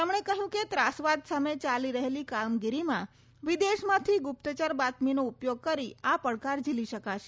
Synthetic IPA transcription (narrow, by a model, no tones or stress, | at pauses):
əmɳ̃ekəɦjũket̪ɾasʋad̪samet͡ʃaliɾəɦelikamɡiɾimã | ʋid̪eʃmãt̪ʰiɡʊp̚t̪ət͡ʃaɾbat̪minoupjoɡ̚kəɾiapəɽkaɾd͡ʒiliʃəkaʃe